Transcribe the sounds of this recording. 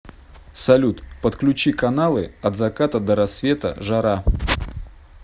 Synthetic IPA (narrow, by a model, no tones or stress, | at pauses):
sɐlʲut̪pət̪klʲʉt͡ɕikɐnalˠɨɐd̪zɐkat̪əd̪əɾɐsvʲe̞t̪ə̰ʐɐɾa